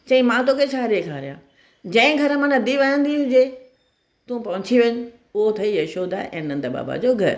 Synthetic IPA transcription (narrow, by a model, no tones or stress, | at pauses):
t͡ɕɐ̃ĩmãt̪oːkʰet͡ɕʰaːɾeːkʰaːɾijãː | d͡ʑɐ̃ɪ̃ɡʱɐɾəmãnɐd̪iʋaːjə̃nd̪iɦʊ̃d͡ʑe | t̪ũpɐɦʊ̃t͡ɕʰiʋɐɲʊ | ʊɦot̪ʰɐijɐʃoːd̪a̰ʔɛ̰̃ːnɐ̃nd̪əba̰ːba̰d͡ʑoːɡʱɐɾ